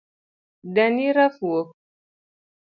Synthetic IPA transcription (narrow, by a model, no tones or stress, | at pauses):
daniɾafuo